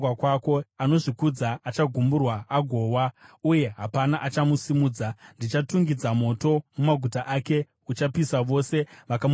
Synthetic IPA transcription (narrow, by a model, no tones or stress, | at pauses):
wakwako̞ano̞ʐikud͡zaːt͡ʃaɡʱumburwaaɡʱo̞ːwauje̞ɦapanaʔat͡ʃamusimuːd͡zandit͡ʃatuŋɡid͡zamo̞to̞mumaɡʱutaʔake̞ | ut͡ʃapisaʋo̞se̞ʋakam